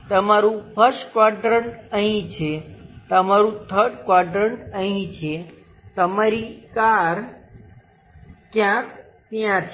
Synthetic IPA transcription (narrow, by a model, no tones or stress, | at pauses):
t̪əmaɾũpʰəɾskʋaʈɾəɳəɦĩt͡ʃʰet̪əmaɾũt̪ʰəɾɖkʋaʈɾəɳəɦĩt͡ʃʰe | t̪əmaɾikaɾ | kjãk | t̪jãt͡ʃʰ